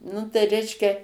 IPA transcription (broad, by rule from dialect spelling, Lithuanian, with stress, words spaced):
nʊ tɐɪ ˈrʲɛɪʃʲkʲɛ